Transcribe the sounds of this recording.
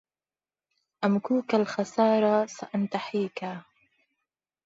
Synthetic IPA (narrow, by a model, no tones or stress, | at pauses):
ʔamkuːkalxasɑːɾasaʔant̪aħiːka